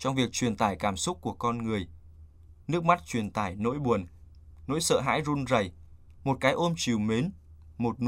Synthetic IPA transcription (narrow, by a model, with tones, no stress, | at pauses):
t͡ɕɔ˧wŋ͡mvi˨˩ək̚t͡ɕwi˨˩ənt̪aː˧˩jkaː˧˩msʊ˦˥k͡p̚ku˧˩əkɔ˧nŋɨ˨˩əj | nɨ˦˥ək̚ma˦˥t̚t͡ɕwi˨˩ənt̪aː˧˩jno̰˧˥jɓu˨˩ən | no̰˧˥jsə̰ː˧˨ɦa̰ː˧˥jzu˧nzə˨˩j | mo˨˩t̚kaː˨˦jʔo˧mt͡ɕi˨˩wme˨˦n | mo˨˩t̚n